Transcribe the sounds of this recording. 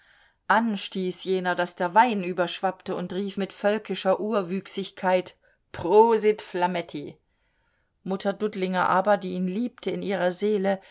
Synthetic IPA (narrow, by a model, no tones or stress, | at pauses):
ʔanʃtiːsjeːnɐdasd̥eːɐvaɪnʔyːbɐʃv̥aptəʊntʁiːfmɪtfœlkɪʃɐʔuːɐvyːksɪçkʰaɪt | pʁ̥oːzɪtflamɛtʰi | mʊtʰɐdʊtlɪŋɐʔaːbɐdiːiːnliːptʰəɪnʔiːʁɐzeːlə